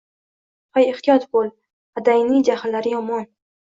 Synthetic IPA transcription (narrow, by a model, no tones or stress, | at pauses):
fajɪχt̪ijɒt̪bolˠ | ad̪ajnid͡ʒahalːaɾɪjɒmɒn